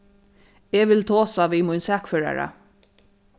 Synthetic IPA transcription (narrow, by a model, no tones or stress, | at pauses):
eʋɪlt̪ʰoːsaʋiːmʊjnsæːkføːɹa̰ɹa̰